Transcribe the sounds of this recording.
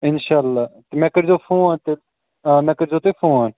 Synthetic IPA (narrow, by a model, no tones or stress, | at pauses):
ɪnʃaːlːaːt̪emɛ̃ːkəɾd͡ʒoːpʰõːãːnt̪e | mɛ̃ːkəɾd͡ʒoːt̪epʰõːãːn